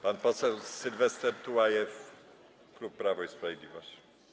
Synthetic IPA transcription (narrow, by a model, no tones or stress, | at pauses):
panpɔsɛwsilvɛst̪ɛɾt̪uwajɛf | klupːɾavɔispɾavʲjed̪ʲlʲivɔɕi̥